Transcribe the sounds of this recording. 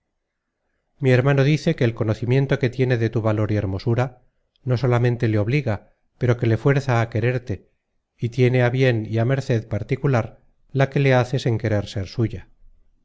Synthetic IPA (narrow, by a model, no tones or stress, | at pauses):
mie̞ɾmano̞ðiθe̞ke̞ːlko̞no̞θimje̞nt̪o̞ke̞t̪je̞ne̞ðe̞t̪uβalo̞ɾie̞ɾmo̞suɾa | no̞so̞lamẽ̞nt̪e̞leo̞β̞liɣa | pe̞ɾo̞ke̞le̞fwe̞ɾθaːke̞ɾe̞ɾt̪e̞ | it̪je̞ne̞aβje̞niame̞ɾθe̞ðpaɾt̪ikulaɾ | lake̞le̞aθe̞se̞ŋke̞ɾe̞ɾse̞ɾsuʝa